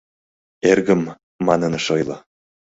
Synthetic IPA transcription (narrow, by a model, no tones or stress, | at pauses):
eɾɡə̆mː | ɑnɤ̆nɤ̆ʃɤjlˠɤ̰